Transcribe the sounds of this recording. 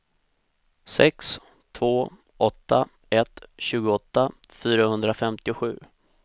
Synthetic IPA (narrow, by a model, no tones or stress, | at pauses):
sɛks | t̪ʰvoː | ʔɔt̪ːa | ɛt̪ɕʉ̟ːɡʊɔt̪ːafyːɾahɵnd̪ɾafɛmt̪ɪʊɧʉ̟ː